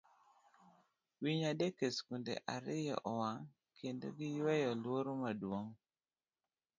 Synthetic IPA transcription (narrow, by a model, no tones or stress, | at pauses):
wiɲadekeskundḛʔaɾɪjɔ̰ʔɔwaŋ | kʰendo̰ɡɪjwɛjɔlwoɾomadwoŋ